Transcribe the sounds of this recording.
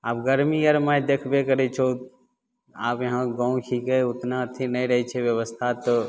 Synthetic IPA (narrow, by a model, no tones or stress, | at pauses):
a̰ːp̚ɡəɾmijəɾmãjd̪ekʰbekəɾɛt͡ʃʰo | a̰ːpjɐɦãɡãũkʰiɡəeʊt̪nat̪ʰinəjɾəɦɛt͡ʃʰɛʋjəʋəst̪ʰat̪ɔ